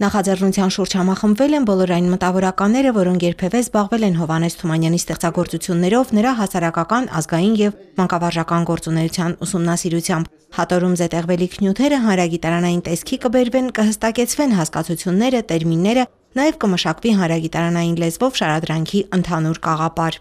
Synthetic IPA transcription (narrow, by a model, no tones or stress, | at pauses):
nɑχɑd͡zɛrnut͡sʰjɑnʃuɾd͡ʒhɑmɑχəmbvɛlɛnbɔlɔɾɑjinmət̪ɑvɔɾɑkɑnːɛɾəvɔɾɔŋkʰjɛɾpʰɛvɛzbɑʁvɛlɛnɦɔvɑnɛsʰt̪ʰumɑnjɑnist̪ɛχt͡sɑɡɔɾt͡sut͡sʰjunːɛɾɔvnəɾɑɦɑsɑɾɑkɑkɑnɑ̰zɡɑjinjɛv | mɑŋkɑvɑɾʒɑkɑnɡɔɾt͡sunɛut͡sʰjɑnusumnɑsiɾut͡sʰjɑmb | hɑt̪ɔɾumzɛt̪ɛʁvɛlikʰnjut̪ʰɛɾəɦɑnɾɑɡit̪ɑɾɑnɑjint̪ɛskʰikəbɛɾvɛnkəhəst̪ɑkɛt͡sʰvɛnɦɑskɑt͡sʰut͡sʰjunːɛɾət̪ɛɾminːɛɾə | nɑjɛvkəməʃɑkviɦɑnɾɑɡit̪ɑɾɑnɑjinlɛzvɔvʃɑɾɑd̪ɾɑŋkʰiʔənt̪ʰɑnuɾkɑʁɑpɑɾ